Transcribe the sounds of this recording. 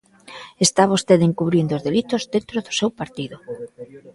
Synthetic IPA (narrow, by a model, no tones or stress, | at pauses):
est̪aβost̪eðeŋkuβɾind̪ozðelit̪ozðent̪ɾʊðʊ̥sewpaɾt̪iðʊ